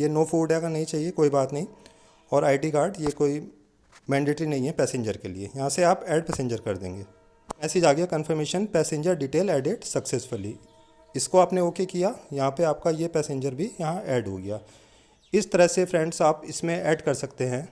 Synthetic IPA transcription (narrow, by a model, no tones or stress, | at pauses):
jenoːfʰuːɖɛːkanɐɦĩt͡ʃaːɦiekoːibaːt̪nɐɦĩ | ɔːɾaːɪʈikaːɾɖjekoːi | mɛ̃ːɳɖeːʈɾinɐɦĩɦɛpɛːsẽɲd͡ʒəɾkeliḛjɐɦãseaːpɛːɖpɛːsẽɲd͡ʒəɾkɐɾd̪ḛ̃ːŋɡeː | ɛːsid͡ʒaːɡɪjakɐ̃nfəɾmeːʃənpɛːsẽɲd͡ʒəɾɖiʈeːlɛːɖeʈsɐksesfʊli | ɪskoaːpneoːkekijajɐɦãpeaːp̚kajepɛːsẽɲd͡ʒəɾbʱijɐɦãʔɛːɖɦo̰ːɡɪjaː | ɪst̪ɐɾəɦsefʰɾɛ̃ːɳɖsaːpɪsmẽɛːɖkɐɾsɐkt̪eɦɛ̃ː